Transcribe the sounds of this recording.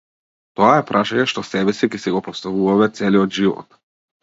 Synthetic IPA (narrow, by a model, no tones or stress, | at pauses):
t̪ɔaɛpɾʔaʃaɲɛʃt̪ɔsɛbɛsikɛsiɡɔpɔst̪avuvamɛt̪sɛliɔd̪ʒivɔ̰t̪